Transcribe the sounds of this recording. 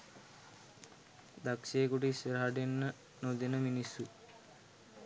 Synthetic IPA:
d̪akʃeːkuʈəisəɾaɦaɖenːə | nod̪enəminisːu

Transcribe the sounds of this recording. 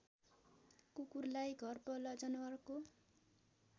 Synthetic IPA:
kukurlajɡʱʌrpʌlʌd͡zʌnʌwʌrko

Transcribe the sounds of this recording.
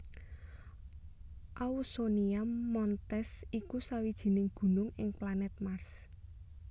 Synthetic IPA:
ʔausoniamɔnt̪ɛsikusawid̥ʒ̥i̤nɪŋɡ̥ṳnʊŋɪŋplanɛt̪̚mars

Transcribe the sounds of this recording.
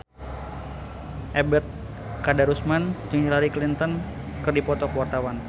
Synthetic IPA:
ʔɛbət̪̚ | kadaɾusmant͡ʃuŋd͡ʒilaɾiklint̪ɔn | kɨrdipɔt̪ɔkəwart̪awan

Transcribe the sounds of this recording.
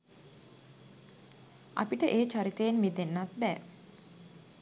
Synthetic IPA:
a̰piʈəʔeːt͡ʃaɾit̪ejenmid̪enːat̪bɛː

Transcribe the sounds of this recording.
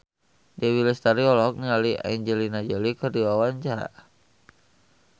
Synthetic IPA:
dewilɛst̪aɾiɔlɔk̚nialia̰ɲd͡ʒɛlinad͡ʒəlikərdiwawaɲt͡ʃaɾa̰ʔ

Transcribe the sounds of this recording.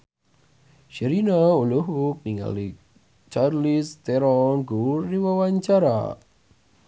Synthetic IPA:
ʃɛɾinauluɦuk̚niŋa̰li | t͡ʃarlist̪eɾɔnɡurːiwawaɲt͡ʃaɾa̰

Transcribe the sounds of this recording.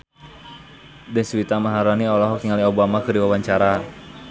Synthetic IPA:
dɛŋswit̪amaɦaɾaniɔlɔɦɔkiŋaliobamakəɾiwawaɲt͡ʃaɾa

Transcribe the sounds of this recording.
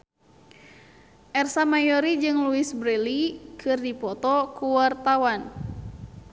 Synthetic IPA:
ʔɛrsamajɔɾid͡ʒɨŋluisbɾɛlikʰɨrdipɔt̪ɔkuwart̪awan

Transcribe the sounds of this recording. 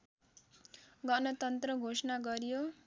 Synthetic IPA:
ɡʌnʌt̪ʌnt̪rʌɡʱosʌnaɡʌɾjo

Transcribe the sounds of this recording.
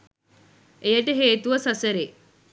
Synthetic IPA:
ejəʈəɦeːt̪uʋəsɐsəɾe

